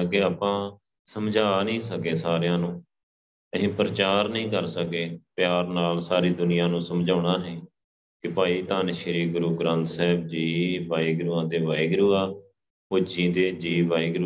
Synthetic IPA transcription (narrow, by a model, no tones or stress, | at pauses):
keːaːpãː | səmd͡ʒaːnĩːsəkeːsaːɾejãːnũː | əɦĩːpɾət͡ʃaːɾnəĩːkəɾsəkeːpjaːɾnaːlsaːɾiːd̪ʊnɪjãːnũːsəmd͡ʒaːɽ̃aːɦɛ̃ː | kɪpaːiːt̪aːnʃəɾiːɡʊɾuːɡɾãːnt̪sɛːbd͡ʒiːʋaːiːɡɾuːãːt̪eːʋaːiːɡɾuːaː | oːd͡ʒĩːd̪eːd͡ʒiːʋaːiːɡɾu